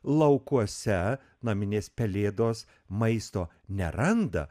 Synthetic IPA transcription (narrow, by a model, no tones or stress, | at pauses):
lˠɐʊkuɔsʲɛ | nɐmʲɪnʲeːspʲɛlʲeːd̪oːs | mɐɪst̪oː | nʲɛɾɐnd̪ɐ̰